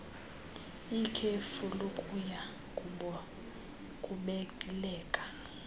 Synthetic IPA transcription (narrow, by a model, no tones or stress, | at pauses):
ikʰefulokʼuja | kʼuɔ | kʼuɓɛkʼilɛːkʼḁ